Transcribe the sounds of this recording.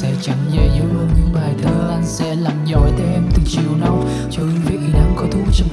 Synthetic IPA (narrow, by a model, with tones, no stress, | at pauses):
sɛ̰˧˥t͡ɕa˧˩ŋzə˧˩jzə˧˦əː˧nɲɨ̰˧˥ŋɓaː˨˩jt̪ʰəː˧˦ʔa˧nsɛ̰˧˥laː˨˩mzɔ˧˨˩jt̪e˨˧˦ʔɛ˧mt̪i˨˩t͡ɕi˨˩əwna˨˦w | t͡ɕɔ˧ɨ˧˦vḭ˧˨ɗaː˧ŋkɔ˨˦t̪ʰu˨˦t͡ɕ